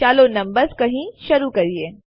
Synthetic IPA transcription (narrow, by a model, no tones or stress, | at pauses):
t͡ʃaːlonɐ̃mbəɾzkɐɦĩʃɐɾukɐɾieː